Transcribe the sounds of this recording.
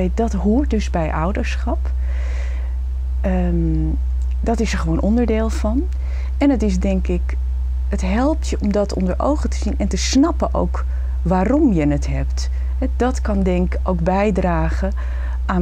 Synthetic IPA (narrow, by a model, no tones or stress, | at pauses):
dɑtɦuːɹt̚dɵzbɛjʔʌwdəɹsχɑp | dɑtɪsəɹχʋownʔɔndəɹdɪːlˠv̥ɑn | ɛnətɪsdɛŋkɪk | ətɦɛlˠptjəʔɔmdɑtɔ̰ndəɹo̰wχətəzinɛntəsnɑpənʔo̰wk | ʋaːrɔmjənətɦɛpt | ɦɛdɑtkɑndɛŋkkowɡbɛjdraːχə | ʔaːn